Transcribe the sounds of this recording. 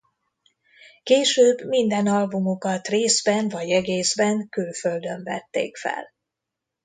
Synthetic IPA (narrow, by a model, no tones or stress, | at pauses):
keːʃøːbmind̪ɛnɒlbumokɒt̪reːzbɛnvɒɟɛɡeːzbɛŋkylføld̪ø̞ɱvɛ̰t̪ːḛːkfɛ̰l